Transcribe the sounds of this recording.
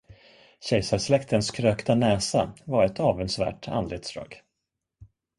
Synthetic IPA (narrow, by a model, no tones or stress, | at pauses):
ɕɛjsaɾslɛkt̪ənskʰɾøːkt̪anɛːsavaɾɛt̪ɑːvənsvæ̰ːʈa̰nd̪leːt̪sd̪ɾɑ̰ːɡ